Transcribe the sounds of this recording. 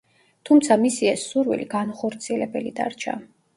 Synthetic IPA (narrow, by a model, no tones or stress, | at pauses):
t̪ʰumt̪sʰamisiɛsːuɾwḭliɡanχɔɾt̪sʰiɛlɛbɛlid̪a̰ɾt͡ʃʰa̰